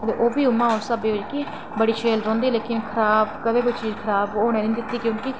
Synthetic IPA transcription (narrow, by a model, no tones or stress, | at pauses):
ət̪ḛːʔoːbiːʊmːãːʊnsəbeːʋɪd͡ʒki | bəɽiːt͡ʃʰeːlɾõːnd̪iːleːkɪnkʰəɾaːb̚kəbeːkoit͡ʃiːd͡ʒkʰəɾaːboːnẽːd̪ɪnid̪ɪt̪ːiːkjõːkɪ